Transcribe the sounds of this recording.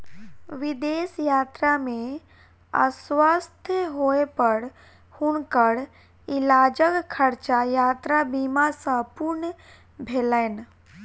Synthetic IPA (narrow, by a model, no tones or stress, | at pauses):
ʋɪd̪eːsjaːt̪ɾamẽ | ə̰swast̪ʰjəɦoepəɽ | hʊnkəɽ | ilaːd͡ʒəkkʰːəɾt͡ʃajaːt̪ɾabimasə̃puɾnə | bʱeːlən